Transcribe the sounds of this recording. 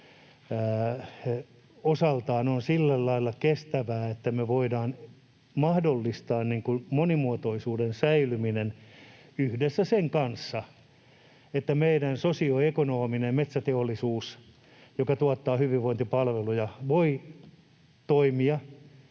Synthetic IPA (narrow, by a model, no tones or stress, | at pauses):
osɑlt̪ɑːnonsilːællɑilːɑkest̪æʋæːet̪ːæmeʋoidɑːn | mɑhdolːist̪ɑːnniːŋkumonimuot̪oisuːdensæilyminen | yhdesːæseŋkɑnsːɑ | et̪ːæmeiɾænsosioekonoːminemmet̪sæt̪eolːisuːs | jokɑt̪uɑt̪ːɑːhyʋiʋʋoint̪ipɑlʋelujɑʋoi | t̪oimiɑ